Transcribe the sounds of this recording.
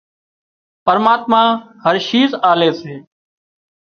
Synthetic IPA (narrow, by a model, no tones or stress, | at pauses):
pəɾmaːt̪mãː | həɾʃiːzaːleːseː